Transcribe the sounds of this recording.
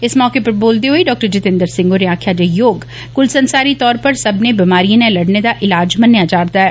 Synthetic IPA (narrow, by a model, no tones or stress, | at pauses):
ɪsmɔːkepɐɾboːlt̪eɦoiɖɔːk̚ʈəɾd͡ʒɪt̪ɪ̃nd̪əɾsɪ̃ŋɡoːɾeaːkʰjad͡ʒejoːɡ | kʊlsɐ̃nsaːɾit̪ɔːɾpɐɾsɐbnebimaːɾijẽnelɐɽned̪aʔɪlaːd͡ʒmɐnjad͡ʒaːɾt̪aɦɛː